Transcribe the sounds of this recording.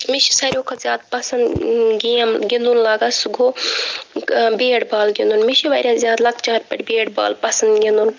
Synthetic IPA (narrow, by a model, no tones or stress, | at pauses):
miʃi̥sɐɾʲoːkʰɐzʲjaːd̪̚pɐsɐnd̪ɡiɐmɡʲind̪unlaːɡasɡoː | beːɽbaːlɡʲind̪unmiʃiʋɐɾʲjazjaːd̪lɐkt͡ʃaːɾpʲɐʈʲbeːɽba̰ːlpɐsɐnd̪ɡʲind̪un